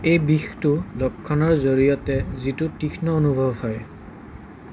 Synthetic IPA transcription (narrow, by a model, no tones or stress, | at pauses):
ejbixtʊlɔkʰːɔnɔɹzoɹijɔtɛzitutixʰnɔonubʱɔbhɔj